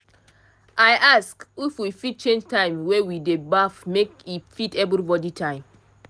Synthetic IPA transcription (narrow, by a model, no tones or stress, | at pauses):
ʔajʔaskifwifit̚t͡ʃẽnd͡ʒtãɪ̃mwewidebafmekifitɛvɾibɔditʰãɪ̃m